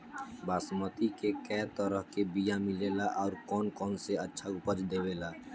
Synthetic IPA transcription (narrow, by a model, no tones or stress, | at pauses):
baːsmət̪ikekɛːt̪əɾəɦkebijãmɪleːlaʔɔːɾkɔːnkɔːnseɐtːʃʰaʊpəd͡ʒd̪eːweːlaː